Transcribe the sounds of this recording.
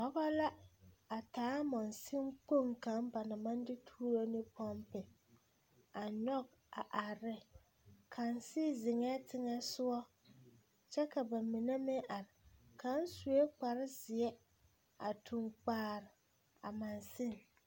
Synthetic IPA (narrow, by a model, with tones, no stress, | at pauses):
ɔ˦ba˦la˦a˨taː˨˦mɔ˨nsɪ˦ŋk͡po˦˨ŋka˨˦mba˨na˨ma˦n˦dɪ˦tʰuː˦ɾo˦nɪ˦pʰɔ˦mpɪ˨ | a˨ɲɔ˦ɡ̚ | a̰˨ʔa˨ɾɪ˦ | kʰa˨nsɪ˦zɪ˨ŋɛ˦tɪ˦ŋɛ˦sʊ˦ɔ˦ | t͡ʃɛ˦ka˨ba˨mɪ˨nɛ˦mɪ˦ʔa˨ɾɪ˨kʰa˦n˦su˨e˦k͡pa˨ɾɪ˦zɪ˨ɛ˦ | a˨tʰu˨ŋk͡paː˨˦ɾɪ˨ | a̰˨ma˨nsɪ˦˨ŋ